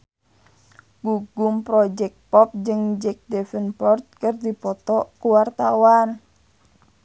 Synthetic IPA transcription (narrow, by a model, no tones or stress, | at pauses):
ɡ̥uɡumpɾɔd͡ʒɛk̚t̪̚pɔp̚d͡ʒɨŋd͡ʒɛk̚dɛfənpɔrt̪̚kɨrdipɔt̪ɔkuwart̪awan